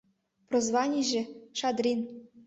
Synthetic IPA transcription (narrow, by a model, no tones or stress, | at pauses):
prozvɑnʲiʑɘ̆ʃɑd̪rʲin